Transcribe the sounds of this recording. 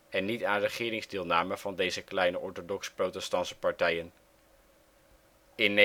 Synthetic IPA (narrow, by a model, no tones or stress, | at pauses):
ɛnːitaːnrəχɪːɾɪŋzdɪːlˠnaːməv̥ɑndejzəklɛjnəʔɔɹtodɔksprowtɛstɑnsə̥pɑɹtɛjən | ɪnː